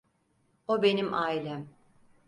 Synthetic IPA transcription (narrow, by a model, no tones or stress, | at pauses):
obe̞nimʔaːilʲæm